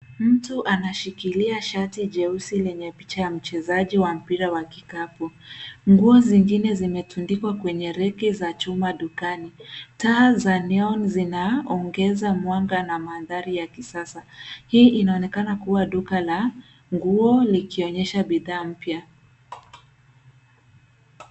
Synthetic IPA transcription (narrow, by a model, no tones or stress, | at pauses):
m̩tuʔanaʃikiliaʃatiʄɛusilɛɲɛpi̥t͡ʃajam̩t͡ʃɛzaʄiwam̩piɾawakikapɔŋɡuɔziŋɡinɛzimɛtundikwakwɛɲɛɾɛkɛzat͡ʃumaɗukanitaːzanɛɔnzinaɔŋɡɛzamwaŋɡanamaðaɾijakisasahiːʔinaɔnɛkanakuwaɗukala | ŋɡuɔlikiɔɲɛʃaɓiðaːm̩pja